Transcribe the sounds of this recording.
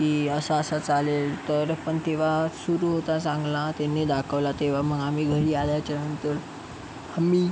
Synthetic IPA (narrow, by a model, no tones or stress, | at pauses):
kiːəsaəsat͡salelt̪əɾpəɳt̪eʋ̤asuɾuɦot̪asãŋɡlat̪enːid̪akʰəʋlat̪eʋ̤aməɡamiːɡʱəɾiːaljajt͡ɕanənt̪əɾ | amiː